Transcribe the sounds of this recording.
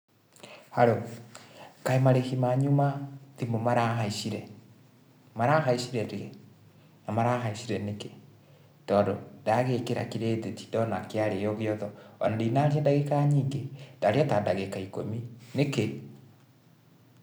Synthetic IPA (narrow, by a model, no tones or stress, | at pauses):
haɾo | kaemaɾehimaɲumatimomaɾaːɦaiʃiɾɛ | maɾaːɦaiʃiɾɛɾeɣe | namaɾaːɦaiʃiɾɛneke | tɔːndo̰daɣekeɾa̰kiɾeːteti̥dɔnakeaɾejɔɣeɔðɔɔ̰nadeinaɾiadaɣekaɲiːŋɡed̥aɾeatadaɣekaiko̰mineke